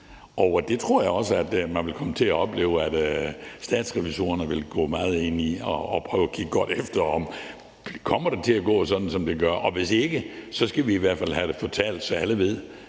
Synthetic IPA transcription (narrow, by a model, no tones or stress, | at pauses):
ʔɒʊd̥e̝t͡sʰʁo̝ɐ̰jäɪɒ̽səæd̥mænʋe̝lkʰɒ̽mət͡sʰe̝læɒ̽b̥le̝̰ːʊæd̥sd̥ɛ̰ːd̥sʁɛʋiso̝̰ːɐnəʋe̝lɡ̥ɔ̰ːmɑ̈ːð̞̩ˠe̝n̰iɒːpʰʁœːʊækʰiɡ̥əɡ̥ɒ̽ɾ̥efd̥ɐɒm̥ | kʰɒ̽m̰ɐɾ̥et͡sʰe̝æɡ̥ɔ̰̽ːsɒ̽d̥n̩sɒ̽md̥e̝ɡ̥ɶɐʔɒ̽ʋe̝se̝ɡ̥əsɒ̽sɡ̥æʋiːʋæɐd̥fæl̰ɦæɾ̥efɒt͡sʰɛ̰ːld̥sɒ̽æləʋe̝ð̰ˠ